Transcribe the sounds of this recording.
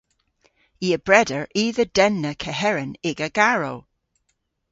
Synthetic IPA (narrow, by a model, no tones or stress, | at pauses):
iːəb̥ɹɛdəɹʔiːðəd̥ɛnːəkʰɛɦɛɹənɪɡəɡ̥aɹɔlˠ